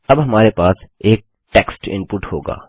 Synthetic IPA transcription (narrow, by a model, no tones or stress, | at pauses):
ɐbɦɐmaːɾepaːseːk̚ | ʈɛːksʈɪ̰̃mpʊʈho̰ːɡa̰ː